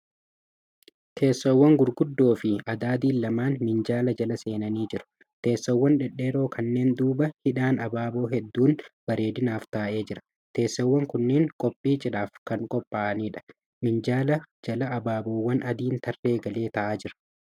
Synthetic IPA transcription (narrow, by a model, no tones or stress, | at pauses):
t̪ʰeːsːowːɐŋɡʊɾɡʊd̪ːo̞ːfɪɐd̪aːd̪iːlːɐmaːnmɪnd͡ʒaːlɐd͡ʒɐlɐse̞ːnɐniːd͡ʒɪɾʊ̥ | t̪e̞ːsːɐwːɐnᶑɛᶑːeːɾo̞ːkʰɐnːe̞ːnd̪uːbɐhɪᶑaːnɐbaːbo̞ːɦɛd̪ːuːnb̥ɐɾe̞ːd̪ɪnaːft̪aːʔe̞ːd͡ʒɪɾɐ̥ | t̪e̞ːsːɐwːɐŋkʊnːeːŋkʼɔpʼːiːd͡ʒɪᶑaːfkɐŋkʼɔpʼːaːʔɐniːᶑɐ̥ | mɪnd͡ʒaːlɐd͡ʒɐlɐːbaːboːwːɐnʔɐd̪iːnt̪ɐrːe̞ːɡɐle̞ːt̪ɐʔaːd͡ʒɪɾɐ̥